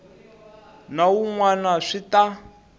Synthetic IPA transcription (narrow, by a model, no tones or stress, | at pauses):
nauŋwanaʂita